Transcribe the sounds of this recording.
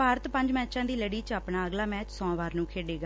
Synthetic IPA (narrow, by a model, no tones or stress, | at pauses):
aːɾət̪pəɲd͡ʒmɛːt͡ʃãːd̪iːləɽiːt͡ʃaːpnaːəɡlaːmɛːt͡ʃsɔ̃ːʋaːɾnũːkʰeːɖeːɡa